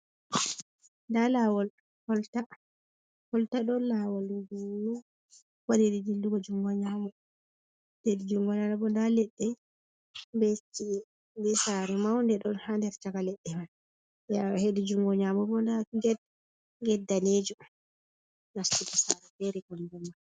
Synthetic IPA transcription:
ndalawɔl | hɔlta | hɔltaɗɔlawalɡunɔ | wadiɾidilduɡɔd͡ʒuŋɡɔɲamɔ | ledid͡ʒuŋɡɔnanabɔndalɛɗːɛ | mbet͡ʃːi | dɛsaɾɛmawndɛɗɔnhandɛɾt͡ʃakalɛɗːɛman | ahedid͡ʒuŋɡɔɲamɔbɔndaɡɛd | ɡɛdːaneːd͡ʒu | nastukɔsaɾɛfeɾikɔndɔmːa

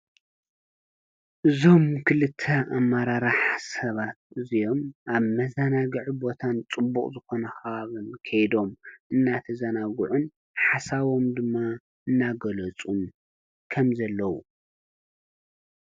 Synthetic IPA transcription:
ʔɨzo̞mkʰɨlɨt̪ʰːɐamːaɾaɾaħsɐβat̪̚ɨzijo̞mʔaβmɐzɐnaɡɐʕibo̞t̪ʰant͡sʼɨbːukʼzɨxo̞nɐxɐβaβɨnkʰɐjd̪o̞mʔɨnːat̪ʰɐzɐnaɡuʕun | ħasaβo̞md̪ɨmːa | ʔɨnːaɡɐlɐt͡sʼum | kʰɐmzɐlːɐwu

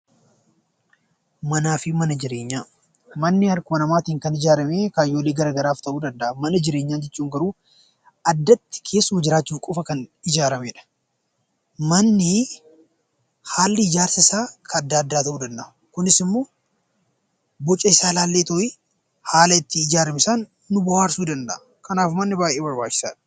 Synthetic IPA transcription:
mɐnaːfɪmɐnɐd͡ʒɪɾe̞ːɲːaː | mɐnːɪɐɾkʊmɐnɐmaːt̪iːŋkɐnɪd͡ʒaːɾɐmeːkaːjːoːleːɡɐɾaːɡɐɾaːft̪ɐʔuːd̪ɐnd̪ɐʔɐmɐnɐd͡ʒɪɾe̞ːɲːaːnd͡ʒɛt͡ʃːuːŋɡɐɾuː | ɐd̪ːɐt̪ːɪ̥kʰe̞ːsːʊmɐd͡ʒɪɾaːt͡ʃːuːfkʼʊfɐkɐnɪd͡ʒaːɾɐmeːᶑɐ̥ | mɐnːɪ | haːlːɪɪd͡ʒaːɾsɐɪsaːkʰɐɐd̪ːaːɐd̪ːaːt̪ɐʔuːd̪ɐnd̪ɐʔʊ | kʊnɪsɪmːo̞ː | bɔt͡ʃʼːɐɪsaːlaːlːeːt̪ɔʔɪ | haːlɐɪt̪ːɪːd͡ʒaːɾɐmɪsaːnː | ʊbɐwaːɾsuːd̪ɐnd̪ɐʔɐ | kɐnaːfmɐnːɪbaːjʔeːbɐɾbaːt͡ʃːɪ̥sa̰ːᶑɐ̥

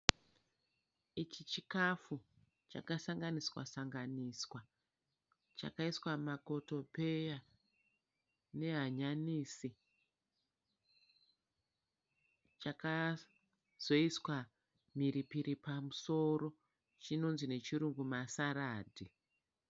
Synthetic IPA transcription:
it͡ʃit͡ʃikafu | t͡ʃa̰kasaŋɡaniswa̰saŋɡaniswa | t͡ʃa̰kaiswamako̞to̞pe̞ja | ne̞ɦaɲaniːsi | t͡ʃaka | z̥o̞iswa | miɾipiɾipamuso̞ɾo̞ | t͡ʃino̞nzine̞t͡ʃiɾuŋɡumasaɾaːdʱi

